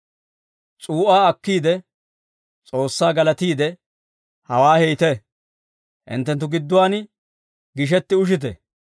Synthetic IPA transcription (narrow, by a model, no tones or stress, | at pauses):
t͡sʼuːʔaːɐkːiːd̪ɛ | t͡sʼoːsːaːɡɐlɐt̪iːd̪ɛ | hɐwaːhɛjt̪ɛ | ʔɪ̰nt̪ːɛnt̪̬ːʊɡɪd̪ːʊwaːn | ɡɪʃ̬ɛt̪ːɪʊʃ̬ɪt̪̬ɛ̰